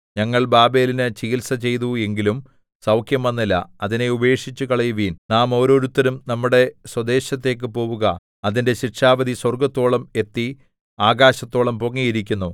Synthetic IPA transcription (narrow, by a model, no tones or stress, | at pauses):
ɲɐŋːɐɭbaːbe̞ːlinɨt͡ɕiɣilsɐt͡ɕe̞jt̪ue̞ŋɡilum | sɐwkʰjɐmɐnːilːɐ̰ɐðine̞ube̞ːʂit͡ɕːukɐɭɐjuʋiːnnaːmo̞ːɾo̞ːɾut̪ːɐɾumnɐmːuɽe̞swɐd̪e̞ːɕɐt̪ːe̞ːk̬ːɨpo̞ːʋuɣɐ | ɐðinde̞ɕirʂaːʋɐðiswɐrɡɐt̪ːo̞ːɭɐme̞t̪ːi | aːɡaːɕɐt̪ːo̞ːɭɐmpoŋːijiɾik̬ʲːunːu